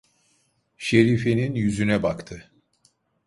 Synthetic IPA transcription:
ʃe̞ɾifeninjyzynɛbakt̪ʰɯ

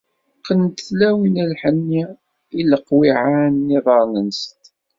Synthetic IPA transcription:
qːənt̪θlæwinælħənːi | iləqːwiʕanːiðˤɑɾˤnənst̪

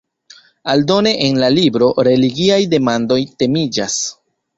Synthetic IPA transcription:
aldo̞ne̞ʔenlalibɾo̞ɾe̞liɡiajde̞mando̞jte̞mid͡ʒa̰s

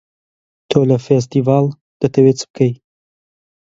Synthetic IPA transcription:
t̪ʰoːlɐfes̬t̪ivɑːl | d̪̥ɐt̪ʰɐwet͡sɨ̥bɨkʰɐj

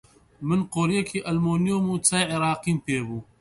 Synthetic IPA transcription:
mɪnqoːɾjakʰiʔɐlmoːnijoːmũːt͡sʰɐjʕɪɾaːqimpʰeːbũː

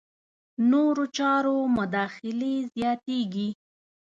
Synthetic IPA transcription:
noɾot͡ʃɑɾomʊd̪ɑxɪlezjɑt̪eɡi

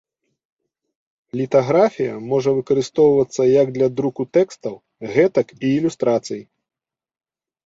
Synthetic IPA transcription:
lʲit̪aɣɾafʲijɐmɔʐɐvɨkɐɾɨst̪ɔwvɐt̪sːɐjɐɡ̚d̪lʲɐd̪ɾukut̪ɛkst̪ɐw | ɣɛt̪ɐkiːlʲust̪ɾat̪sɨji

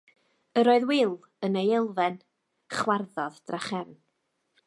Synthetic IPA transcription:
əɾoːɨðwɪlˠ | ənejɪlˠvɛn | χwarðɔðd̥raχɛrn

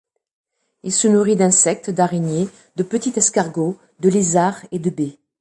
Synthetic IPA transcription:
ilsənuʁid̪ɛ̃sɛk̚t̪d̪aʁeɲje | d̪əpət̪it̪ɛskaʁɡo | d̪əlezaʁed̪əbe

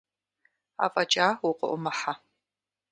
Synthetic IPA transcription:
a̰ːfʼɐt͡ʃʼaːwʊqʊ̰ʔʷʊmɐħa

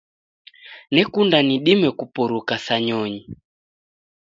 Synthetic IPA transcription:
nɛkundaniɗimɛkupɔɾukasaɲɔɲi

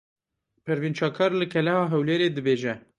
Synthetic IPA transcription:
pʰɨɾvint͡ʃɑːkʰɑːɾlɨkʰɛlɛhɑːɦɛwleːɾeːd̪ɨbeːʒɛ

